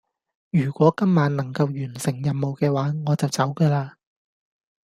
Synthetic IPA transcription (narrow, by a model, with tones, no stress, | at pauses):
jyː˨˩kʷɔː˨˥kɐ˥mːaː˨˧˥nnɐ˨˩ŋkɐ˧wjyː˨˩nsɪ˨˩ŋjɐ˨mmo˨wkɛː˧waː˨˥ŋɔː˨˧t͡sɐ˨wt͡sɐ˨˥wkəː˧laː˧